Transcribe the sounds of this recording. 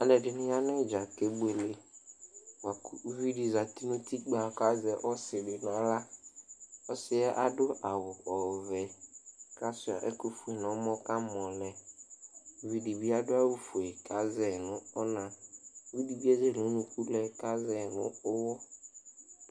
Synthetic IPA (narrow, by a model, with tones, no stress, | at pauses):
a˨lɛ˨dɪ˨nʊ̃˦ja˦nɪ˦˨d͡ʒa˨ke˦be˨le˦ | wa˨˦vi˦di˨za˨ti˦nũ˦ti˦k͡pa˨ka˦zɛ˨ʔɔ˦sɪ˨dɪ˨nʊ˨a˦la˦ | ɔ˦sɪ˨ɛ˦ʔa˦dʊ˦ʔa˨wʊ˨ɔ˨vɛ˨ka˦sʊ˨a̰˨ʔɛ˦ku˨fu˨e˨n˨ɔ˨˦mɔ̃˦ka˦mɔ˨lɛ˨ | vi˨di˨bi˦a˦dʊ˦a˦wu˦fu˨e˨ka˨˦zɛ˨nʊ̃˦ɔ˦nã˨˦vi˦di˨bi˦a˦zɛ˦˨o˨˦nũ˨ku˦lɛ˨ka˦zɛ˨nʊ̃˦ʊ˦wɔ˦